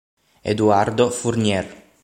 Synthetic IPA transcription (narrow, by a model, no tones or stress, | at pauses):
ḛd̪uaɾd̪ofuɾnɛr